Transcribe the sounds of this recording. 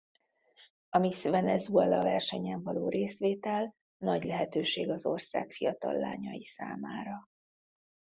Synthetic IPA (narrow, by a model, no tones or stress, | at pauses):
ɒmisvɛnɛzuɛlɒvɛrʃɛɲɛɱvɒloːɾeːsʋeːt̪ɛl | nɒɟlɛɦɛt̪øːʃeːɡɒzo̞rsa̰ːkfijɒt̪ɒ̰lːa̰ːɲɒjisa̰ːmaːɾɒ